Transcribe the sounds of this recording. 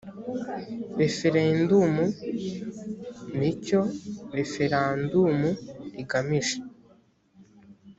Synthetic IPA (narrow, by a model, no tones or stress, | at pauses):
βefiɾeindumu | nicoβefiɾandumuiɡamiʒe